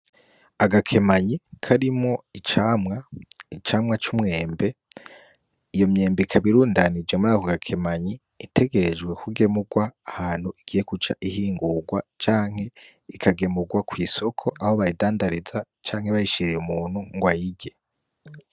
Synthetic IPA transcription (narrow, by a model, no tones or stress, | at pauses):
aɡakʰe̞maɲikʰaɾimŋo̞it͡ʃamŋait͡ʃaːmŋat͡ʃumŋe̞ːmbe̞ | ijo̞mɲe̞ːmbekʰaβiɾuːndanid͡ʒwe̞muɾaːkoɡakʰe̞maɲiː | tʰe̞ɡe̞ɾed͡ʒɡwe̞kuɡe̞muɡwaːhaːn̥huiɡ̥ije̞kut͡ʃa̰ʔihiːŋɡuɡwat͡ʃaːŋ̥he̞ | ikʰaɡe̞muɡwakʰwiːso̞kʰo̞ʔaho̞βajidaːndaɾiza | t͡ʃaːŋhe̞βajiʃiɾejumuːn̥huŋɡwajiɟe̞